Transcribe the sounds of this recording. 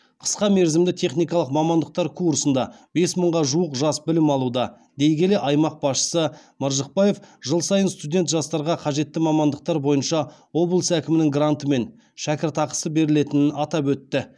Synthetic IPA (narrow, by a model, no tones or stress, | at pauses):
qʰə̥sqɑme̞ɾzɪmd̪ɪt̪ʰe̞χnijkɑlˠəqmɑmɑnd̪əq̚t̪ɑɾkʰuɾsənd̪ɑbe̞sməɴʁɑʒuəqʒɑsbɪlɪmɑlˠud̪ɑ | d̪ejɡʲe̞le̞ʔɑjmɑq̚b̥ɑsʃə̥səməɾʒəq̚pɑje̞fʒəlˠsɑjənst̪ud̪ʲe̞nt̪ʒɑst̪ɑɾʁɑqʰɑʒe̞t̪ːɪmɑmɑnd̪əq̚t̪ɑɾbo̞jənʃɑwo̞blˠsækʲɪmɪnɪŋɡrant̪əme̞n | ʃækʲɪɾt̪ɑqə̥səbe̞ɾɪle̞t̪ɪnɪnɑt̪ɑpwɵt̪ːɪ